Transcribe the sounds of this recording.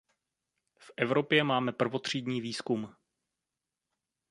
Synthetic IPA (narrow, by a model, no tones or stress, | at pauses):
fʔɛvɾo̞pjɛmaːmɛpr̩vo̞t̪r̝̥iːdɲiːviːskum